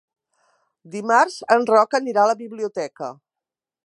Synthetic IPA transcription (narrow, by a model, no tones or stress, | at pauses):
d̪imaɾzənrɔkəniɾaləβiβliut̪ɛkə̰